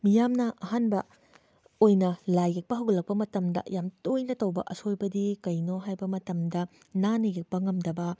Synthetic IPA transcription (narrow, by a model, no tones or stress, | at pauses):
mijamnɐʔɐɦanbɐ | ojnɐlajɡek̚pɐɦɐwɡlɐk̚pɐmɐtɐmdɐ̰jamtojnɐtɐwbɐ̰ʔɐsojbɐdikɐjnoɦajbɐmɐtɐmdɐ | nanɐɡek̚pɐŋɐmdɐbɐ